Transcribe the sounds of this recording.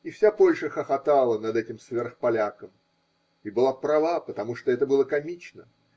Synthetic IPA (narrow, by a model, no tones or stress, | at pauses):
ɪfsʲapolʲʂəxəxɐt̪alˠənɐd̪ɛtʲɪmsvʲerxpɐlʲakəm | ɪbɨlˠapɾɐvapət̪ɐmuʂt̪oɛt̪əbɨlˠəkɐmʲit͡ɕnə̰